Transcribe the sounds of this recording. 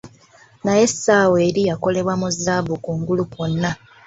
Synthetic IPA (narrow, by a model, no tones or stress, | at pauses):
naje̞saːweːɾijako̞le̞βwamuzaːbukuːŋɡuluponːa